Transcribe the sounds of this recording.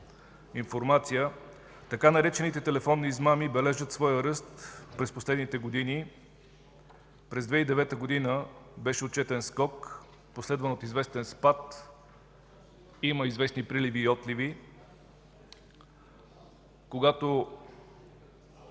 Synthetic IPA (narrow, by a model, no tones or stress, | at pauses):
infoɾmat̪sijə | t̪ɐkanɐɾɛt͡ʃɛnit̪ɛt̪ɛlɛfɔnːiːzmamibɛlɛʒət̪svɔjəɾɤst̪pɾɛsposlɛd̪nit̪ɛɡod̪ini | pɾɛzd̪vɛid̪ɛvɛt̪əɡod̪inəbɛʃɛot̪̚t͡ʃɛt̪ɛnskɔk | poslɛd̪vənot̪izvɛst̪ɛnspat̪ | iməizvɛsnipɾiliviːɔt̪livi | koɡat̪o